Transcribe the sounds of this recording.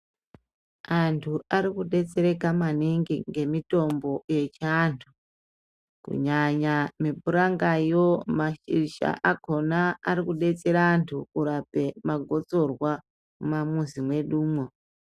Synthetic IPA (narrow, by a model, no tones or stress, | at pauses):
antʰuaɾikuɗe̞t͡se̞ɾe̞kamaniŋɡiŋɡe̞mito̞mbo̞je̞t͡ʃiantʰu | kṵɲaɲamibuɾaŋɡajomaʃḭiʃa̰ʔako̞naːɾikuɗe̞t͡se̞ɾaːntʰukuɾape̞maɡʱo̞t͡so̞rwa | mumamuzimwe̞ɗuːmwo